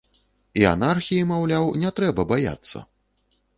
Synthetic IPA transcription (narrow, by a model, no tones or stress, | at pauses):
ia̰narxʲijimawlʲawnʲɛt̪ɾɛbɐbaja̰t̪sːɐ̰